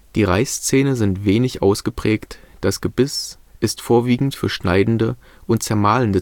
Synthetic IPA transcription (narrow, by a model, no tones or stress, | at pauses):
d̥iːʁaɪst͡seːnənzɪntv̥eːnɪçʔa̰ʊsɡ̥əpʁ̥ɛːktd̥asɡ̥əbɪs | ʔɪstfoːɐviːɡŋ̩tfyːɐʃnaɪdn̩də | ʔʊntt͡sɛɐmaːləndə